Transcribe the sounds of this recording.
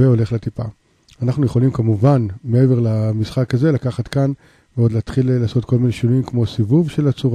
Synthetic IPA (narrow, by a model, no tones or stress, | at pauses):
veo̞le̞χlet̪ipa | anaχnuje̞χo̞limkamuvanmee̞ve̞ʁlamisχakaze̞lakaχat̪kan | veo̞dlaːt̪χilːaːso̞tkʰo̞lmine̞ʃinuimkmo̞sivuvʃe̞lat͡suʁ